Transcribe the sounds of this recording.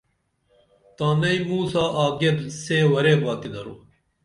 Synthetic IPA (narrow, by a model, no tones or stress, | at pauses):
t̪aːnɐjmuːsaːʔaːɡedseːwɐɾebaːt̪id̪ɐɾṵ